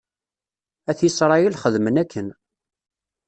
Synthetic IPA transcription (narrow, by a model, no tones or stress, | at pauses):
æθjisɾˤɑjəlχəðmənækːən